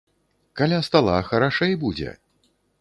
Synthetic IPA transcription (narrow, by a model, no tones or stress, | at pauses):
kalʲast̪alˠaxɐɾaʂɛjbud͡zʲɛ̰